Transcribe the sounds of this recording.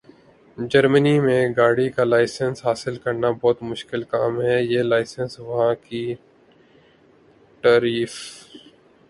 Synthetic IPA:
d͡ʒɐɾmənimẽɡaːɽikalaːɪsənsɦaːsɪlkɐɾnabɔːt̪mʊʃkɪlkaːmɦɛjeːlaːɪsənsʋɐɦãki | ʈaːɾiːf

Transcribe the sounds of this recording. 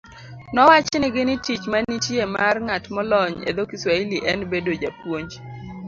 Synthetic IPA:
nɔwat͡ʃnɪɡɪnɪtit͡ʃmanitjemarŋatmɔlɔɲḛd̪okiswailiʔɛnbedod͡ʒapwoɲd͡ʒ

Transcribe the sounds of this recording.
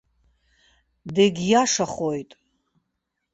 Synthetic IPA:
deɡʲjaʂaχojtʼ

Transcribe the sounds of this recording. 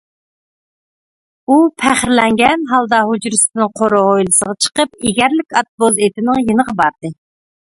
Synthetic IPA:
upʰæχɾlɛŋɡʲɛnɦɑlˠd̪ɑɦud͡ʒɾɨsnɨŋqʰoɾʊojlˠɨsəʁɑt͡ʃʰə̥qəp̚eɡʲæɾlɪkʲɑt̪̚bolˠet̪ɪnɪŋjinəʁɑbɑɾd̪̥ɨ

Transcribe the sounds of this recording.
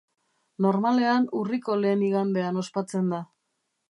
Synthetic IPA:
no̞ɾmale̞anuriko̞le̞ːniɣand̪e̞ano̞spat͡se̞nd̪a

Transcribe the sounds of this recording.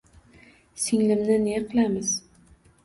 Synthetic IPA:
sɪŋlɪmnɪneqʰɨlamɪz

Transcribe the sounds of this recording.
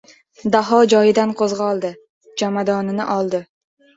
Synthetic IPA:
d̪aɦɒd͡ʒɒjɪd̪anqʰozʁɑɒlˠd̪ɪ | d͡ʒamad̪ɒnɪnɪ̰ʔɒlˠd̪ɪ

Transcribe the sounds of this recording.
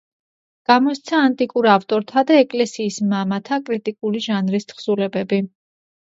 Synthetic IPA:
ɡ̥amɔst̪sʰaːnt̪ʼikʼuɾaft̪ʼɔɾt̪ʰad̪aɛkʼlɛsiːsmamat̪ʰakʼɾit̪ʼikʼuliʒanɾist̪χsulɛbɛbi

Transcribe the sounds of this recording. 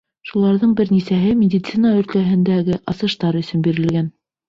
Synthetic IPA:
ʃulˠɑɾðɤɴbɘɾnisæɦɘmʲɪdʲit̪sinaɵ̆ɾt̪æɦɘ̆nd̪æɡɘʔɑsɤ̆ʃt̪ɑɾɵ̆sɵ̆nbiɾɘ̆lɡæn

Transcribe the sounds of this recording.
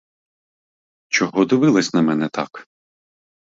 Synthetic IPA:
t͡ʃɔɦɔd̪ɪʋɪlˠɐsʲnɐmɛnɛt̪ɑk

